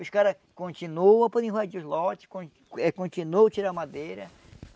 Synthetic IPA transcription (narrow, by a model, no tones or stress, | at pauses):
ʊskaɾɐ | kõnt͡ʃinuɐ̃pɔd̪ẽɦad͡ʒiʊzlɔt͡ʃɪ̥kõ | ɛkõnt͡ʃinuɐt͡ʃiɾamad̪ejɾɐ